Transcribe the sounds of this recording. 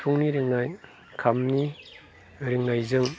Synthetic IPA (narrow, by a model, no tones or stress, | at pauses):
pʰuŋniɾɯŋnaj | kʰamni | ɾiŋnajzɯŋ